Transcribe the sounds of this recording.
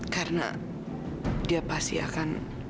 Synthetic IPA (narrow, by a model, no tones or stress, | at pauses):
kaɾəna̰ | diapast̪ḭa̰kan